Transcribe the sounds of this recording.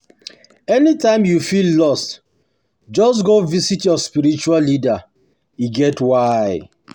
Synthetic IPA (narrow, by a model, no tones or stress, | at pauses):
ɛnitãɪ̃mjufilːɔst | d͡ʒɔs̬ɡovisitjɔspiɾit͡ʃuallida | iɡɛtwaɪ